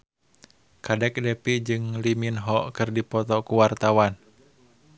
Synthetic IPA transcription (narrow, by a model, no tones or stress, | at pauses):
kadɛk̚dɛpid͡ʒɨŋliminɦɔʔkɨrdipɔt̪ɔkuwart̪awan